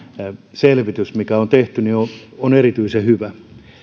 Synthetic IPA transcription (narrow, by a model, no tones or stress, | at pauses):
selʋit̪ysmikæont̪eht̪ynioonerit̪yisehyʋæ